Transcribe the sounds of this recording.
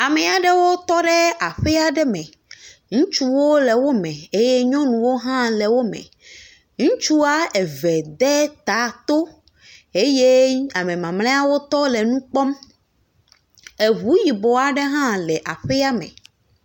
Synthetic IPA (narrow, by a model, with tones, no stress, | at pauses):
a˨mɛ˨a˨ɖɛ˦wo˦t̪ɔ˦ɖɛ˦a˨ɸɛ˦a˨ɖɛ˦mɛ̃˨ | ŋũ˦t͡ʃu˦wo˦lɛ˨wo˦mɛ̃˨e˦je˦ɲɔ̃˦nũ˨wo˦ɦã˦lɛ˨wo˦mɛ̰̃˨ | ŋũ˦t͡ʃu˦a˦ɛ˨vɛ˨d̪ɛ˦t̪a˨˦t̪o˦ | e˦je˦a˨mẽ˨mã˨ml̃ẽ˦a˦wo˦t̪ɔ˦lɛ˨nũ˦k͡pɔ˦m | e˨βu˨˦ji˨bɔ˨a˨ɖe˦ɦã˦lɛ˨ʔa˨ɸɛ˦a˦mɛ̰̃˨